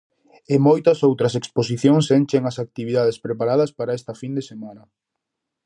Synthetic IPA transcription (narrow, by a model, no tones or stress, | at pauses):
ɪmojt̪ɐsowt̪ɾɐsekspos̬iθjoŋsent͡ʃeŋɐsak̚t̪iβiðað̞espɾepaɾaðɐspaɾaɛst̪ɐfind̪esemanɐ